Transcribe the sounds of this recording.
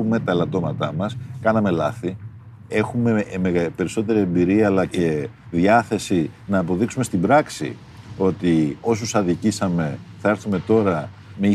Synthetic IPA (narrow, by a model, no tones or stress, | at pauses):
ume̞t̪ɐelɐt̪o̞mɐt̪ɐmɐskɐnɐme̞lɐθi | e̞xume̞meɣpe̞ɾiso̞t̪e̞ɾie̞mbiɾiɐːlɐce̞ | ðiɐθe̞sinɐːpo̞ðiksume̞st̪ibɾɐksḭ | o̞t̪io̞s̬usɐðicisɐme̞θɐe̞ɾθume̞t̪o̞ɾɐ | mei